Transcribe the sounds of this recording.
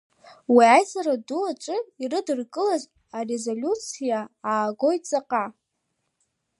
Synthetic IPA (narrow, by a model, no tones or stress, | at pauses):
wiajzaɾaduat͡ʃʷʼɨirɨdɨrkʼɨlaz | are̞zolʲut͡sʰijaaːɡo̞jt͡sʼaqʼa